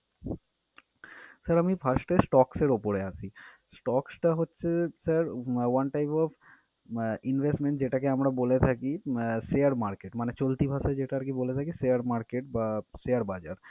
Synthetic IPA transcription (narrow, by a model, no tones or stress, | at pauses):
səɾamipʰəsʈesʈɔkseɾopoɾeat͡ʃʰi | sʈɔksʈaɦotːʃʰesəɾwɐnʈajpɔpʰ | inʋʱesʈmẽɳʈd͡ʑeʈakeamɾabolet̪ʰakisejəɾmaɾkeʈmanet͡ɕolt̪ibʱasad͡ʑeʈaɾkebolet̪ʰakisejəɾmaɾkeʈ̚basejəɾbad͡ʑaɾ